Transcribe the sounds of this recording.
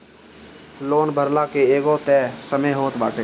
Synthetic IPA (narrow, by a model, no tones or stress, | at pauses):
loːnbʱəɾlakeeːɡot̪ɛːsəməjɦoːt̪ba̰ːʈeː